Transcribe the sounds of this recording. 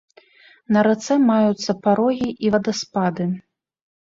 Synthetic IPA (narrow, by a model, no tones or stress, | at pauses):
nɐɾat̪sɛmajut̪sːɐpaɾɔɣʲiʔivɐd̪ɐspad̪ɨ